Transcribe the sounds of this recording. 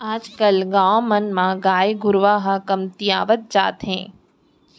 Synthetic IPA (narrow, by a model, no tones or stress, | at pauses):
aːd͡ʒkɐlɡãːmɐnmãɡaːjiɡʱʊɾʋaːɦɐkɐmt̪ijaːʋət̪̚d͡ʒa̰ːt̪ɦɛ̰̃ː